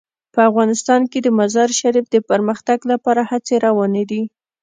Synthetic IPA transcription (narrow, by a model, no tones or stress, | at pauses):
pəafɣɑnɪst̪ɑnked̪əmazɑɾʃaɾifd̪əpəɾməxt̪aɡlapɑɾahat͡seɾɑwɑned̪i